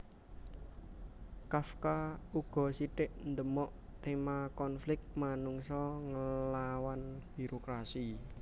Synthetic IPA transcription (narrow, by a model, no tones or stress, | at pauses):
kafkauɡ̥ɔ̤siʈɪʔnd̪əmɔʔ | t̪emakɔnflɪk̚t̚manuŋsɔŋəlawanb̥i̤ɾokɾasi